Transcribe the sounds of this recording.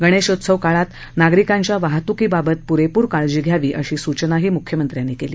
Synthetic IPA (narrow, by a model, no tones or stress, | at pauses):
ɡəɽ̃eɕot̪səʋkaɭat̪ | naɡɾikaɲt͡ɕjaʋaɦt̪ukiːbabət̪̚puɾepuːɾkaɭd͡ʑiːɡʱjaʋiːʔəɕiːsut͡ɕnaɦiːmukʰjəmənt̪ɾjanekeliː